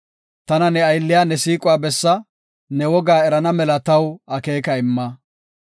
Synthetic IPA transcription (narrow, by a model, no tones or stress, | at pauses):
t̪ɐnɐnɛɐjlːɪjaːnɛsiːkʼʊwaːbɛsːɐ | nɛwɔɡaːɛɾɐnɐmɛlɐt̪ɐwɐke̞ːkɐɪmːɐ